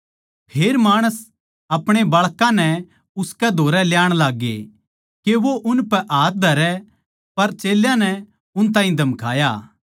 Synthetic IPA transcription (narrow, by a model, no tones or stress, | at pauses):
pʰeːɾmaːɽ̃əs | ɐpɽ̃ebɐɭkãnɛ | ʊskɛd̪ʱoːɾɛljaːɽ̃laːɡːḛ | keʋoʔʊnpɛʔaːt̪̚ʰd̪ʱɐɾɛ | pɐɾt͡ʃeːljãnɛ | ʊnt̪̬aːɦĩd̪ʱɐmkʰa̰ːjaː